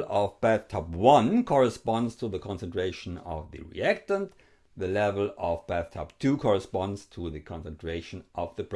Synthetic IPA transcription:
ɔvb̥æθtʰɑpwʌ̃nkʰɔɹəspɑ̃ndz̥tʰuðəkʰɔ̃nsɛ̃ntʰɹ̥eɪʃə̃nʌ̰vðɨ̰ɹḭæk̚tə̃nt | ðɨlɛvəl̩ˠɔvbæθtʰɑp̚tʰukʰɔɹɨspɑ̃ndz̥tʰuðɨkʰɔ̃nsə̃ntʰɹ̥eɪʃnʔʌvðəp

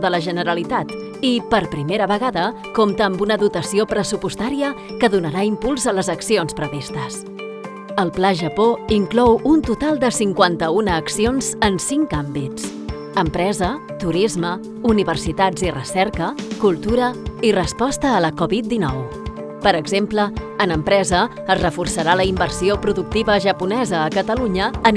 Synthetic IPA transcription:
ðələʒənəɾəlit̪at̪ | ipəɾpɾimeɾəβəɣaðə | komt̪əːmbunəðut̪əsiopɾəsupust̪aɾiə | kəðunəɾaimpulˠzələzəksionspɾəβist̪əs | əlˠplaʒəpoiŋklɔwunt̪ut̪alˠd̪əsiŋkwant̪əunəːksionz̥ənsiŋkambit͡s | əmpɾɛzə | t̪uɾizmə | uniβərsit̪ad͡zirəsɛɾkəkulˠt̪uɾəirəspɔst̪əːləkɔβit̪̚d̪inɔw | pəɾəɡzempləːnəmpɾɛzəː | zrəfursəɾaləimbərsiopɾuðuk̚t̪iβəʒəpunɛzəːkət̪əluɲəːn

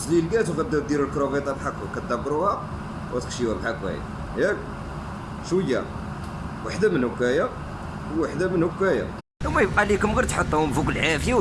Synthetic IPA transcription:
slilɡæt̪wɣæd̪ːæd̪iɾəlkɾovet̪ˤɑbħakkæt̪̚d̪æbːəɾuhæ | wʔæt̪əkʃiwæbħakwæ̰jæ̰ | jæk | ʃwəjːæ̰ | waħd̪æmənhʊkːæjæ | wːaħd̪æmənhʊkːæjæ̰ | wmæjəb̚qɑlikʊmɣiɾt̪ħət̪ˤːuhʊmfikəlːʕafja

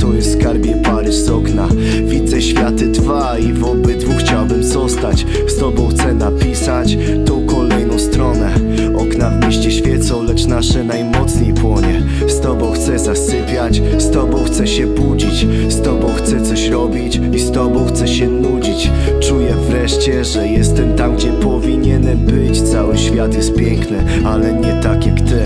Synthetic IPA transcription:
t̪uɾɛfskaɾbʲjɛpaɾɘzɔkna | vʲid̪zɛɕfʲjat̪ɘd̪va | ivɔbɘd̪vuxt͡ɕawbɘmzɔst̪at͡ɕ | st̪ɔbɔ̃w̃xt̪sɛnapʲisat͡ɕ | t̪ɔ̃w̃kɔlɛjnɔ̃w̃st̪ɾɔnɛ | ɔknavmʲeɕt͡ɕɛɕfʲjɛt̪sɔ̃w̃lɛt͡ʂnaʂɛnajmɔt̪sɲejpwɔɲɛ | st̪ɔbɔ̃w̃xt̪sɛzasɘpʲjat͡ɕ | st̪ɔbɔ̃w̃xt̪sɛɕɛbud͡ʑit͡ɕ | st̪ɔbɔ̃w̃xt̪sɛt̪sɔɕɾɔbʲit͡ɕ | ist̪ɔbɔ̃w̃xt̪sɛɕɛnud͡ʑit͡ɕ | t͡ʂujɛvɾɛʂt͡ɕɛʐɛjɛst̪ɛmt̪amɡd͡ʑɛpɔvʲiɲɛnɛbɘt͡ɕt̪sawɘɕfʲjat̪jɛst̪̚pʲjɛŋknɘ | alɛɲɛt̪akjakt̪ɪ

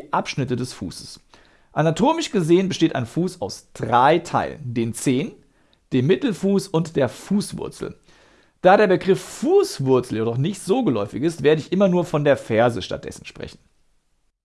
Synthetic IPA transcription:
ʔapʃnɪtədɛsfṵːsə̥s | ʔanatʰoːmɪʃɡ̥əzeːənbəʃteːta̰ɪnfuːsaʊsd̥ʁaɪtʰa̰ɪlə̰ndeːnt͡seːn | d̥eːmːɪtl̩fuːsʊntd̥eːɐfuːsv̥ʊ̰ɐt͡sl̩ | d̥aːɾeːɐbəɡʁɪfːuːsv̥ʊɐt͡sl̩jedɔχnɪçtz̥oːɡəlɔʏfɪçɪstv̥eːɐɾəɪçʔɪmɐnuːɐfɔndeːɐfɛɐzəʃta̰t̚d̥ɛ̰sn̩ʃpʁ̥ɛ̰çn̩

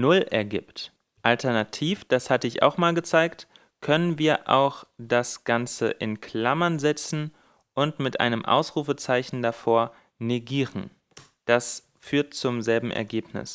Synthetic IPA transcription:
nʊlʔɛɐɡɪ̰ːpt | ʔaltʰɛɐnatʰiːfd̥ashatəɪça̰ʊxmaːlɡət͡saɪkt | kʰœnənviːɐʔa̰ʊxd̥asɡ̥ant͡sə̰ʔɪnkʰl̥amɐnzɛt͡sn̩ | ʔʊntmɪtʔa̰ɪnəmʔa̰ʊsʁ̥uːfət͡saɪçn̩dafoːɐ | neɡiːʁən̩ | d̥as | fyːɐt̚t͡sʊmzɛlbm̩ʔɛ̰ɐɡeːpnɪ̰s

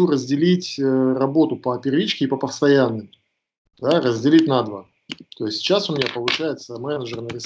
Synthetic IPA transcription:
urəzʲdʲɪlʲitʲərɐbo̞t̪ʊpəpʲɪɾʲvʲit͡ɕkʲɪːpəpəfst̪ɐjanːɨj | d̪arəzʲdʲɪlʲitʲnad̪və | t̪o̞ɪsʲtʲt͡ɕːasʊmʲɪnʲapəlˠʊɕæjɪt̪səmɛnəʐərnəɾʲɪs

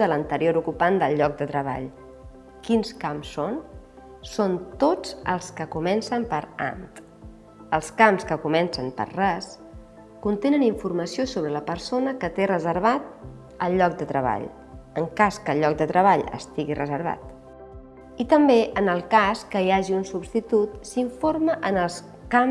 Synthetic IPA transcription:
ðələnt̪əɾioɾukupand̪əlˠʎɔk̚d̪ət̪ɾəβ̞a̰ʎ | kinskamsːon | sont̪od͡zə̰lˠskəkumɛnsəmpəɾa̰nt̪ | əlˠskamskəkumɛnsənpə̰ɾrɛs | kunt̪enəniɱfurməsiosoβɾələpəɾsonəkət̪erəzəɾβ̞at̪̚ | əlʎːɔk̚d̪ət̪ɾəβ̞a̰ʎ | əŋkaskəlʎːɔk̚d̪ət̪ɾəβ̞aʎə̰st̪iɣirəzəɾβa̰t̪ | it̪əmbeʔənəlˠkaskəjaʒiunsubst̪it̪ut̪siɱfoɾməʔənəlˠs | kam

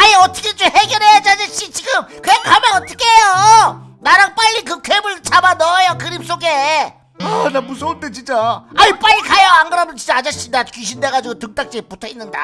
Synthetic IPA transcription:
aɲiʌt͈ʰʌkʰet͡ɕomheɡjʌɾɦejat͡ɕad͡ʑeɕ͈it͡ɕiɡɯmkɯakamjanʌt͈ʰʌ̥kʰeɦejonaɾaŋp͈aʎːik̬ɯkʰemɯɭt͡ɕʰabanʌjokɯɾip̚s͈oɡe̞ | anamusʰoot͈et͡ɕint͡ɕ͈aaip͈aɭːikajʌaŋɡɯɾamʌnt͡ɕit͡ɕ͈aːd͡ʑaɕ͈idakuɕ̬ʰinde̞ɣad͡ʑiɡotɯk̚t͈ak̚t͡ɕ͈ep͈utʰʌinːɯnda̰

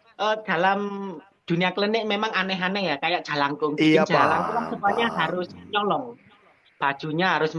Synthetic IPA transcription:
ʔəd̪̥a̤lam | d̪̥ṳnijakələnɪʔmemaŋanɛɦanɛhjakajaʔʒ̥a̤laŋkʊŋkii̥ʒ̥alaŋkulaŋsəpaɲaɦaɾʊsɲɔlɔŋ | b̥a̤d̥ʒ̥ṳɲaɦaɾʊs

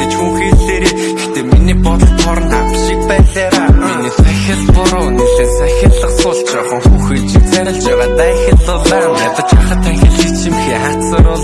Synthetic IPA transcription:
ɡet͡ɕxuŋxeːɮeːɾeː | ext̪ʰeːminiːpɔt̪ɞ̆t̪ʰɔɾɞ̆na̰mʃik̚pæːɮæːɾaːminiːsʰæxʲə̆ɮpʊɾɔunĕɮeːsæxʲə̆ɮə̆qsʊːɮt͡ɕæːχə̆ŋxuːxeːt͡ɕiksæɾʲɪ̆ɮt͡ɕaʁaːt̪axʲə̆ɮʊɮæː | at̪ə̆t͡ɕaχə̆t̪ʰːæxʲɪ̆ɮit͡ɕʰĭmxeːχær̥ʲsəɾʊɮ

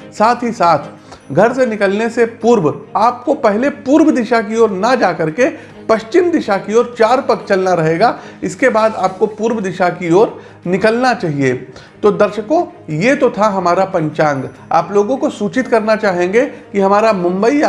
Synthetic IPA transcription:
saːt̪ʰɦisaːt̪ʰ | ɡʱɐɾsenɪkəlnesepuːɾwaːp̚kopɛɦlepuːɾwəd̪ɪʃak̬ioːɾnad͡ʒaːkɐɾke | pɐʃt͡ʃɪmd̪ɪʃakioːɾt͡ʃaːɾpɐkt͡ʃɐlnaɾɐɦeːɡaːɪskebaːd̪aːp̚kopuːɾwd̪ɪʃakioːɾ | nɪkəlnat͡ʃaːɦiet̪od̪ɐɾʃəkõjet̪ot̪ʰaɦɐmaːɾapɐ̃ɲt͡ʃãːŋɡ | a̰ːploːɡõkosuːt͡ʃɪt̪kɐɾnat͡ʃaːɦẽːŋɡekiɦɐmaːɾamʊ̃mbəi

